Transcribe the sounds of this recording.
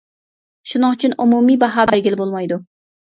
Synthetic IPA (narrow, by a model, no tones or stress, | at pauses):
ʃunɨŋt͡ʃʰynumumijbɑɦɑːbæɾɡʲilɪbolˠmɑjd̪u